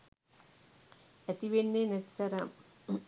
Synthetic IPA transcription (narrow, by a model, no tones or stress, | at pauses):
æt̪iʋenːenɛt̪i̥sɐɾə